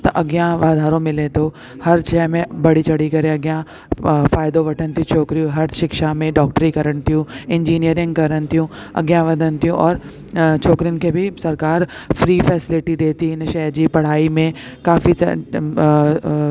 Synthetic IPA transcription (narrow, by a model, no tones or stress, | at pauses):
t̪ɐʔɐɡjãʋaːd̪ʱaːɾõmɪ̃let̪o | hɐɾt͡ʃɛːmẽbɐɽ̤it͡ʃɐɽ̤ikɐɾẽɐɡjã | faːjd̪õʋɐʈʰənt̪iũt͡ʃʰoːkɾijũɦɐɾʃɪkʃamẽɖɔːk̚ʈɾikɐɾənt̪iɦũɪ̃ɲd͡ʒiːnijəɾɪ̃ŋɡ̚kɐɾənt̪iũɐ̰ɡjãʋɐd̪ʱənt̪ijũʔɔːɾ | t͡ʃʰoːkɾijʊnkebʱisɐɾkaːɾfɾiːfɛːsɪlɪʈiɖeːt̪inʃɛːd͡ʒipɐɽ̤aːimẽkaːfḭ